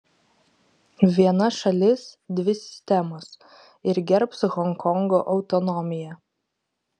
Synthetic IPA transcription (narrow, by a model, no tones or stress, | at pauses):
ʋʲiɛnɐʃɐlʲɪsd̪ʲʋʲɪsʲɪ̥sʲt̪ʲɛmos | ɪɾɡʲɛɾpsɣɔŋkʰɔŋɡoːʔɒʊt̪ɔnɔmʲɪjɛ